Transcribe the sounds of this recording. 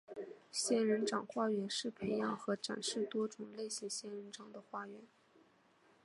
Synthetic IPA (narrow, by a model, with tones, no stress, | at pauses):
ɕjɛ˥nɻə˧˥nʈ͡ʂɑ˨˩ŋxwa˥˩ɥɛ˧˥nʂɻ̩˥˩pʰe˧˥ɪjɑ˨˩ŋxɤ˧˥ʈ͡ʂa̰˨˩nʂɻ̩˥˩t̪wɔ˥ʈ͡ʂʊ˨˩ŋle˥˩ɪɕi˧˥ŋɕjɛ˥nɻə˧˥nʈ͡ʂɑ˨˩ŋd̪ə˦xwa˥˩ɥɛ˧˥n